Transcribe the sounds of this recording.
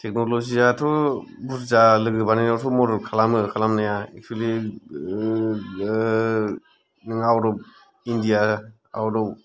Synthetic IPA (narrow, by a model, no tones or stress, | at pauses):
tʰek̚nolozizatʰɔbuszalɯɡɯbaninawtʰɔmɔɾɔlkʰalamɯkʰalamnajaek̚tʰuwali | nɯŋawɾɔp̚ | indija | a̰wɾɔw